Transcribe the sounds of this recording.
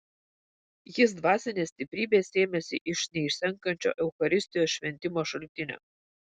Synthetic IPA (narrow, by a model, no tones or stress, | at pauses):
jɪsd̪ʋɑːsʲɪnʲeːsʲt̪ʲɪpʲɾʲiːbʲeːsʲeːmʲɛsʲɪʔɪʃnʲɛɪʃʲsʲɛŋkɐnʲt͡ʃʲo̰ːʔɛʊxɐɾʲɪsʲt̪ʲɪjoːsʃʲʋʲɛnʲt̪ʲɪmoːʃɐlʲt̪ʲɪnʲo̰ː